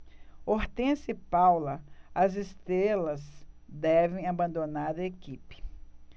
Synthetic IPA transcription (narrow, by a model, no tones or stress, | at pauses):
oɾt̪ẽsɪpawlɐɐzest̪ɾelɐzd̪ɛvẽj̃abɐ̃nd̪onaɾɐekipɪ̥